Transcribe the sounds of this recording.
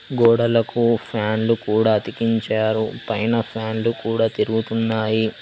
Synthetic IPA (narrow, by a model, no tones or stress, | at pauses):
ɡɔːɽɐlɐkupʰaːnlukuːɽaːɐt̪ikiɲt͡ʃaːɾupɐjnɐpʰaːnlukuːɽaːt̪iɾuɡut̪unːaːji